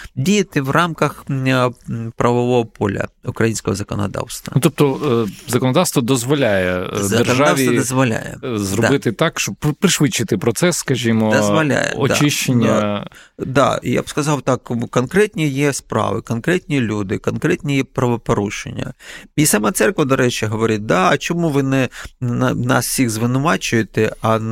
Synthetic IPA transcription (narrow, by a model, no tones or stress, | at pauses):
dʲijɐt̪ɪʋrɑmkɐx | pɾɐʋɔʋɔɦɔpɔlʲɐ̰ʊkɾɐjinʲsʲkɔɦɔzɐkɔnɐd̪ɑ̰wst̪ʋɐnʊt̪ɔp̚t̪ɔzɐkɔnɔd̪ɑwst̪ʋɔd̪ɔzʋɔlʲajɛzdɐk̪ernʒadawʋ̪ʲid̪ɐzʋɔlʲa̰jɛ̰zrɔd̪bɪt̪ɪt̪ɑkʃt͡ʃɔb̚pɾɪʃʋɪt͡ʃːɪt̪ɪpɾɔt̪sɛsːkɐʒʲimɔd̪ɐzʋɐlʲa̰jɛ̰ɔd̪t͡ʃiʃt͡ʃenʲːɐ | d̪ɑ̰ḭja̰bskɐzɑwt̪ɑkkɔnkɾɛt̪ʲnʲijɛspɾɑ̰ʋɪkɔnkɾɛt̪ʲnʲilʲud̪ɪkɔnkɾɛtʲnʲijɛpɾɐʋɔpɔɾuʃḛnʲːɐ̰isɑmat̪sɛrkʋɐd̪ɔɾɛt͡ʃɪɦɔʋɔɾʲit̚ʲd̪ɑɐt͡ʃɔmuʋɪnɛ | nɑ̰ssʲixzʋɪnʊʋɑt͡ʃʊjʊt̪ɪɐ